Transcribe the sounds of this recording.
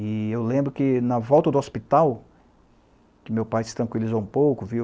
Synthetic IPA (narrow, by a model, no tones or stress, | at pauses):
ɪewlẽmbɾʊkɪnɐvɔwt̪ɐd̪ʊɔspit̪aw | kɪmewpajsɪ̥t̪ɾɐ̃ŋkwilizowũpowkʊvi